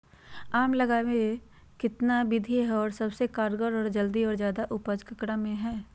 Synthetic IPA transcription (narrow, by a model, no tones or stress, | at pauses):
aːmlɐɡaːwẽ | kɪt̪nabɪd̪ʱiɦɔːɾsɐbsekaːɾɡəɾɔːɾd͡ʒəld̪iɔːɾzjaːd̪aʔʊpəd͡ʒkɐkɽamẽɦɛː